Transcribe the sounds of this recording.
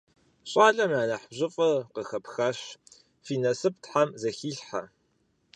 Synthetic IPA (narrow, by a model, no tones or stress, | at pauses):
ɕʼɑːɮɐmaːnɐħbʑɪfʼɐqəxɐpxɐɕ | fiːnɐsɨp̚tħamzɐxiːɬħa̰